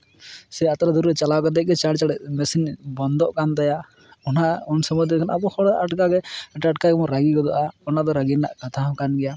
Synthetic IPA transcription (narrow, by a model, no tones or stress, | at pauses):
sɛat̪ɾad̪uɾɾɛt͡ʃalawkad̪ɛc̚ɡɛt͡ʃaɽt͡ʃaɽɛʔmɛsinbɔnd̪ɔʔkand̪aja | ɔnaɔnsɔmɔd̪ɛkʰanabɔhɔɽaʔaʈkaɡɛʈaʈkaɡɛmɔɾaɡiɡɔd̪ɔʔaɔnad̪ɔɾaɡina̰ʔkat̪ʰakanɡɛja